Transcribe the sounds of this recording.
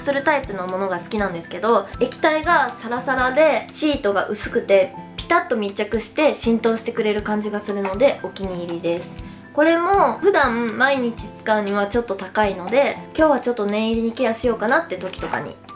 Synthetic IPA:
sɨɾɯ̟t̪aipɯ̟no̞mo̞no̞ɡasɨ̥kʲinãnd̪e̞sɨ̥ke̞d̪o̞e̞kʲi̥t̪aiɡasaɾasaɾad̪e̞ɕiːt̪o̞ɡaʔɯ̟sɨ̥kɯ̟t̪e̞pʲi̥t̪at̪ːo̞mʲit͡ɕakɯ̟ɕi̥t̪e̞ɕĩnt̪o̞ːɕi̥t̪e̞kɯ̟ɾe̞ɾɯ̟kãɲ̟d͡ʑiɡasɨɾɯ̟no̞d̪e̞o̞kʲiɲ̟iːɾʲid̪e̞sɨ̥ | ko̞ɾe̞mo̞ɸɯ̟d̪ãmmaiɲ̟it͡ɕi̥t͡sɨ̥kaɯ̟ɲ̟iβ̞at͡ɕo̞t̪ːo̞t̪akaino̞d̪e̞kʲo̞ːβat͡ɕo̞t̪ːo̞nẽ̞ɰ̃iɾʲiɲ̟ikejaɕijo̞ːkanat̪ːe̞t̪o̞kʲi̥t̪o̞ka̰ɲ̟ḭ

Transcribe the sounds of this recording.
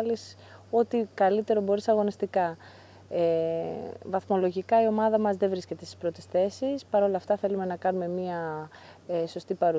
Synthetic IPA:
lis | o̞t̪ikɐlit̪e̞ɾo̞bo̞ɾisɐɣo̞nist̪ikɐ | e | vɐθmo̞lo̞ʝikɐio̞mɐðɐmɐzðe̞vɾisce̞t̪est̪i̥spɾo̞t̪e̞sθe̞sispɐɾo̞lɐːft̪ɐθe̞lume̞nɐkɐnume̞miɐ | eso̞st̪ipɐɾu

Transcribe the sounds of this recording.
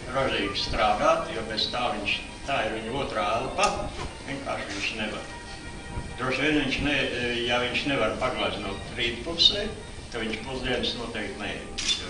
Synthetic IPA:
ɾɔʒiːɡst̪ɾaːd̪aːt̪joːbez̥t̪aːʋiɲʃ | t̪aːiɾʋiɲuɔt̪ɾaːd̪ˠpat̪ʋʲiɛŋka̰ːɾʃʋiɲʃneʋa̰ɾ | d̪̥ɾuɔʃʋiɛnʋiɲʃnɛjaʋiɲʃneʋaɾpaɡlˠaznuɔt̪ɾiːt̪pusɛː | t̪aʋiɲʃpuzd̪iɛnsnuɔt̪ɛːk̚t̪nɛjɛ̰d̪is

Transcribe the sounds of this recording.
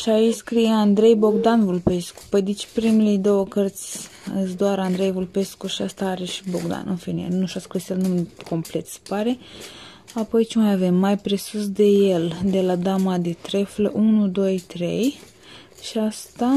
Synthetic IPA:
ʃait͡ʃskɾijeand̪ɾe̞jbo̞ɡd̪anvulpe̞sku̥pojd̪it͡ʃpɾimilejd̪o̞wəkərt̪sʲ | ɨsd̪oaɾand̪ɾe̞jvulpe̞skuʃiast̪aaɾeʃi̥bo̞ɡd̪a̰nɨ̰nfiniḛnuʃaskɾisjelnumko̞mple̞t̪se̥paɾe̞ | apo̞jt͡ʃimajave̞mːajpɾe̞sus̬d̪e̞jeld̪e̞lad̪amad̪et̪ɾe̞fleʔunud̪o̞jt̪ɾe̞̰j | ʃiast̪a

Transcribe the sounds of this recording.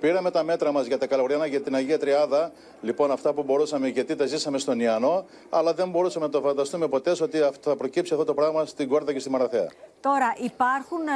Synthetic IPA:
piɾɐme̞t̪ɐme̞t̪ɾɐmɐzʝɐt̪ɐkɐloɣɾjɐnɐʝɐt̪inɐʝiɐt̪ɾiɐnðɐ | lipo̞nɐft̪ɐpubo̞ɾusɐme̞ʝɐt̪it̪ɐzisɐme̞st̪o̞niɐno̞ | ɐlɐðe̞mbo̞ɾusɐmenɐt̪ofɐnd̪ɐst̪ume̞po̞t̪e̞so̞t̪iɐfθɐpɾo̞cipsiɐfðot̪o̞pɾɐɣmɐst̪iŋɡo̞ɾðɐce̞st̪imɐɾɐθeɐ̰t̪o̞ɾɐʔipɐɾxun

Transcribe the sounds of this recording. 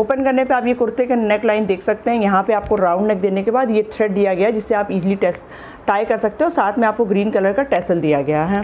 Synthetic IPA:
oːpənkɐɾnepeaːpjekʊɾt̪ekenɛklaːɪnd̪eːkʰsɐk̚t̪eɦɛ̃jɐɦãpeaːp̚koɾãːʊ̃ɳɖnɛkd̪eːnekebaːd̪jet̪ʰɾɛːɖ̚d̪ijaɡɐjad͡ʒɪsːeaːpiːzliʈɛːs | ʈaːjkɐɾsɐk̚t̪ẽɦɛɔːɾsaːt̪ʰmẽaːp̚koɡɾiːnkɐləɾkaʈɛːsəld̪ijaɡɐjaɦɛː

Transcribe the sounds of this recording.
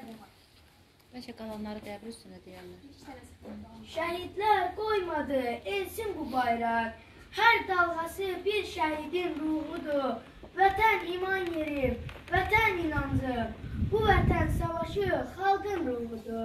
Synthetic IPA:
b̥æt͡ʃʰæɡɑlˠɑnlˠɑɾɯd̪æbɾyst̪ynd̪æd̪ejænlæ | ʃæɦid̪læɾɡo̞jmɑd̪ɯelsinbubɑjɾɑk | hæɾd̪ɑlˠʁɑsɯbiɾʃæɦid̪inɾuɣud̪u | væt̪ʰænimɑnjeɾimvæt̪ʰæninɑnd̪ɯbuvæt̪ʰænsɑvɑʃɯχɑlˠɡɯnɾuɣud̪u

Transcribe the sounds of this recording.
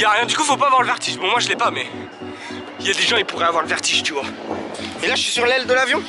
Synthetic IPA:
jaʁjɛ̃d̪ykuifopavwaʁləvɛʁt̪iʒbɔ̃mwaʒəlɛpamɛ | iljad̪eʒɑ̃ipuʁɛavwaʁləvɛʁt̪iʒt̪yvwa | elaʒəʃisyʁlɛld̪əlavjɔ̃

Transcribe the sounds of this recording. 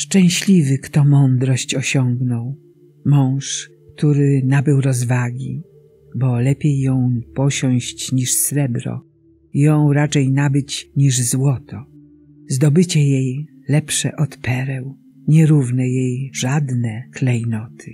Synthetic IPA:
ʂt͡ʂɛ̃w̃ɕlʲivɘkt̪ɔmɔnd̪ɾɔɕt͡ɕɔɕɔŋɡnɔw | mɔ̃w̃ʂkt̪uɾɘnabɘwɾɔzvaɡʲi | bɔlɛpʲjejːɔ̃w̃pɔɕɔ̃w̃ɕt͡ɕɲiʂsɾɛbɾɔ̰ | jɔ̃w̃ɾat͡ʂɛjnabɘt͡ɕɲiʐzwɔt̪ɔ | zd̪ɔbɘt͡ɕɛjej | lɛpʂɛ̰ʔɔt̪pɛɾɛw | ɲɛɾuvnɛjejʐad̪nɛklɛjnɔt̪ʰɘ

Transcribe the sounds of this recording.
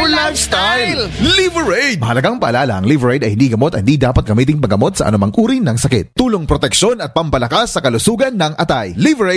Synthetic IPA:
ʊlast̪ajljllivɛɹɛd̪̚mɐhɐlɐɡaŋpɐʔɐlaːlɐʔɐŋlivɛɹɛjd̪ɐjhɪnd̪iːɡɐmot̪ɐhɪnd̪iːd̪aːpɐt̪̚ɡɐmiːt̪ɪŋpɐɡɐmot̪̚sɐʔɐ̰nʊmaŋʔuːɾinɐŋsɐkɪ̰t̪t̪uːloŋpɾot̪ɛkʃonɐt̪̚pɐmbɐlɐkasːɐkɐlʊsuːɡɐnːɐŋʔɐt̪ajlivɛɹe

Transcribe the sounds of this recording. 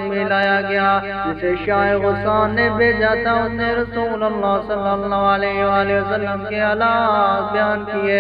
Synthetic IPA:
mɪlaːjaɡɐja | d͡ʒɪseʃaːeɣʊsaːnːebeːd͡ʒaːt̪aʊsneɾɐsuːlɐlːaːsɐlːəlːaʋlɛːɦiʋaːliʋəsəlːəmkeɐlaːbjaːnkieː

